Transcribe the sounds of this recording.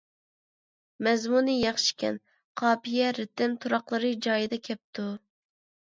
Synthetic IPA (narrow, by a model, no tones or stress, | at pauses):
mɛzmunɨjɑχʃi̥kʲʰɛ̰n | qʰɑːpijɛɾɪt̪ɪmt̪ʰuɾɑqlˠɨɾɨd͡ʒɑːjɨd̪ɛkʲʰɛp̚t̪ʰu